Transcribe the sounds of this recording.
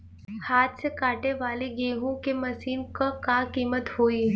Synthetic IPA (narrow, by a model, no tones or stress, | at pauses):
haːt̪ʰsekaːʈeʋaːleɡeːɦõkemɐsiːnkakaːkiːmət̪hoːi